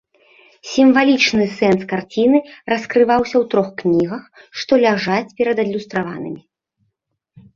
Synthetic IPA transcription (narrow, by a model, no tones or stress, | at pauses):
sʲimvalʲit͡ʂnɨsɛnskart͡sʲinɨrɐskɾɨvawsʲɐwt̪ɾɔxknʲiɣɐxʂt̪ɔlʲaʐat͡sʲpʲɛɾɐd̪ɐd̪lʲust̪ɾava̰nɨ̰mʲi